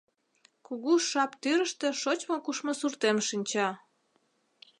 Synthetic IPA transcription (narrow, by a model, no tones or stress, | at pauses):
kuɣuʃɑpt̪yɾəʃt̪ĕʃot͡ɕmokuʃmosurt̪emʃinʲt͡ɕɑ